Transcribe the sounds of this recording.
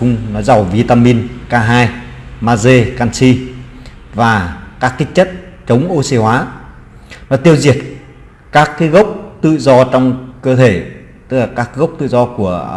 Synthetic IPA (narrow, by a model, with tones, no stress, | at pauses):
ʊ˧ŋ͡mnɔ˨˦za˨˩wvi˧t̪aː˧mi˧nkaː˧ɦaː˧jmaː˧ze˧ka˧nsi˧ | vaː˨˩kaː˦˥kːï˦˥k̟̚t͡ɕə˦˥t̚ | t͡ɕə˨˦wŋ͡mʔo˧se˧hwaː˨˦ | nɔ˨˦t̪i˧əwzi˨˩ət̚ | kaː˦˥kːaː˨˦jɣə˦˥wk͡p̚t̪ɨ̰˧˨zɔ˧t͡ɕɔ˧wŋ͡mkəː˧t̪ʰe˧˩ | t̪ɨ˦˥k̚laː˨˩kaː˦˥kːa˨˦ɣə˦˥wk͡p̚t̪ɨ̰˧˨zɔ˧ku˧˩ə